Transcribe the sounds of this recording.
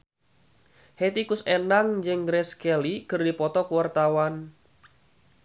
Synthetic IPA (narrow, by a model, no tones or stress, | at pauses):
het̪ikʊsenaŋd͡ʒɨŋɡɾɛskɛlikɨrdipɔt̪ɔkuwart̪awan